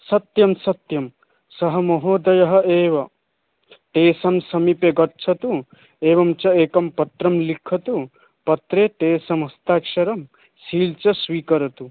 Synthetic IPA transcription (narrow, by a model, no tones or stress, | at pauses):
sɐt̪jɐmsɐt̪jɐm | sɐɦɐmɐɦoːd̪ɐjɐɦɐ̆eːʋɐ | ʈeːsɐmsɐmipeɡɐtːʃʰɐt̪u | eːʋɐmt͡ʃɐeːkɐmpɐt̪ɾɐmlikʰːɐt̪u | pɐt̪ɾeːʈeːsɐmɦɐst̪aːkʂɐɾɐm | siːlt͡ʃɐsʋiːkɐɾɐt̪u